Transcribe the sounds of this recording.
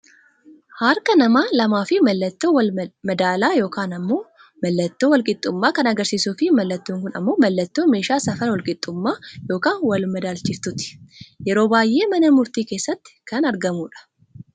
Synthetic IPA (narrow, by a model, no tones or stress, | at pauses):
hɐɾkɐnɐmaːlɐmaːfɪmɐlːɐt̪ːoːwɐlmɐd̪aːlaːjo̞ːkaːnɐmːo̞ː | mɐlːɐt̪ːoːwɔlkʼɪt̪ʼːʊmːaːkɐnɐɡɐɾsiːsuːfɪmɐlːɐt̪ːuŋkʊnɐ̰mːo̞ːmɐlːɐt̪ːoːme̞ːʃaːsɐfɐlwɔlkʼɪt̪ʼːʊmːaːjo̞ːkaːnwɐlmɐd̪aːlt͡ʃɪft̪ʊt̪ɪ̥jɛɾo̞ːbaːjːe̞ːmɐnɐmʊɾt̪iːke̞ːsːɐt̪ːɪ̥kɐnɐɾɡɐmuːᶑɐ̥